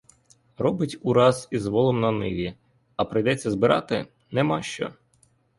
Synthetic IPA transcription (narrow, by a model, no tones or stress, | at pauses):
ɾɔbɪtʲuɾɑzizʋɔlˠɔmnɐnɪʋʲi | ɐpɾɪjd̪ɛt͡sʲːɐzbɪɾɑ̰t̪ɪ̰ | nɛmɑʃt͡ʃɔ̰